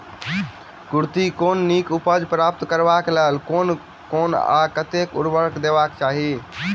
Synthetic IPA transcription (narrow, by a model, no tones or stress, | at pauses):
kuɾt̪ikoːnːikupəd͡ʒpɾaːp̚t̪kəɾbaklelkoːn | koːna̰kət̪ekʊ̰ɾbəɾkd̪ebakt͡ʃaːɦi